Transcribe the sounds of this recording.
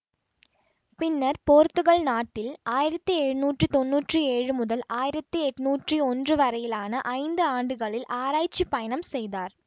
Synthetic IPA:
pɪnːɐɾpoːɾt̪ːɯɣɐɭnaːʈːɪlaːjɪɾɐt̪ːiɛɻɯnuːʈrit̪ɔnːuːʈrɯeːɻɯmʊðɐlaːjɪɾɐt̪ːɯɛʈːnuːʈriɔndrɯʋɐɾɐjɪlaːnɐʔɐɪnd̪ɯaːɳɖɯɣɐɭɪlʔaːɾaːjt͡ʃːipɐjɐnɐmsɛjðaːɾ

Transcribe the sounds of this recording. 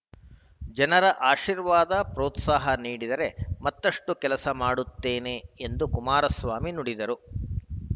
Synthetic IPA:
d͡ʒɐnɐɾɐʔaːʃiːɾʋaːd̪ɐpɾoːt̪saːɦɐniːɽid̪ɐɾe̞mɐt̪ːɐʂʈukɛlɐsɐmaːɽut̪ːeːne̞end̪ukumaːɾɐsʋaːminuɽid̪ɐɾu

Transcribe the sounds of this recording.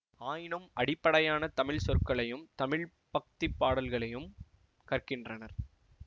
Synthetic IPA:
aːjɪnɯmʔɐɽɪpːɐɽɐjaːnɐt̪ɐmɪɭsɔɾkːɐɭɐjɯmt̪ɐmɪɭ | pɐk̚t̪ɪpːaːɽɐlɣɐɭɐjɯm | kɐrkɪndrɐnɐɾ

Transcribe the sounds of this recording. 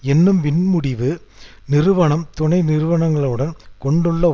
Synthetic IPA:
ɛnːɯmpɪnmʊɽɪʋɯnɪɾɯʋɐɳɐmt̪ʊɳɐɪnɪɾɯʋɐɳɐŋɡɐɭɯɽɐnkɔɳɖɯɭːɐ

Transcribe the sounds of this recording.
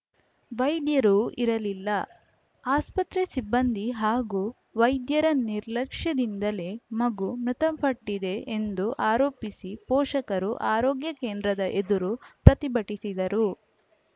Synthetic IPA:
ʋɐjd̪jɐɾuʔiɾɐlilːɐ | aːspɐt̪ɾesibːɐnd̪iɦaːɡuː | ʋɐjd̪jɐɾɐniɾlɐkʂjɐd̪ind̪ɐle̞mɐɡumɾut̪ɐmpʰɐʈːid̪e̞end̪uʔaːɾoːpisipɔːʂɐkɐɾṵʔaːɾoːɡjɐkeːnd̪ɾɐd̪ɐʔed̪uɾupɾɐt̪ibɐʈisid̪ɐɾu

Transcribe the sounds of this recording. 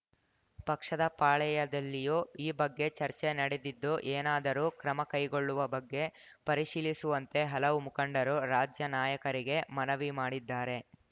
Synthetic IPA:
pɐkʂɐd̪ɐpaːɭɛjɐd̪ɐlːijuːiːbɐɡːe̞t͡ʃɐɾt͡ʃenɐɽe̞d̪id̪ːuʔeːnaːd̪ɐɾuːkɾɐmɐkɐjɡo̞ɭːuʋɐbɐɡːe̞pɐɾiʂiːlisuʋɐnt̪e̞ɦɐlɐʋumukɐɳɖɐɾuɾaːd͡ʒjɐnaːjɐkɐɾiɡe̞mɐnɐʋimaːɽid̪ːaːɾe̞

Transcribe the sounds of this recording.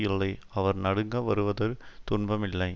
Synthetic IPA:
jɪlːɐɪɐʋɐɾnɐɽɯŋɡɐʋɐɾɯʋɐðɐɾt̪ʊɳbɐmɪlːɐɪ

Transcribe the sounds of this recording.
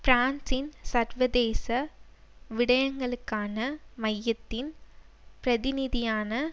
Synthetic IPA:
fɾaːnsɪnsɐɾʋɐðeːsɐ | ʋɪɽɐjɐŋɡɐɭɯkːaːnɐmɐjːɐt̪ːɪn | pɾɐðɪnɪðɪjaːnɐ

